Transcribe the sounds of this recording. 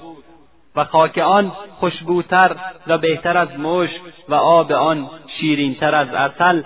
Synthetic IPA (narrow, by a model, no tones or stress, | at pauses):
væxɒːkʰeɒːnxoʃbuːt̪ʰæɾvæbeht̪ʰæɾæzmoːʃkvæʔɒːbeɒːnʃiːɾiːnt̪ʰæɾæzæ̰sæl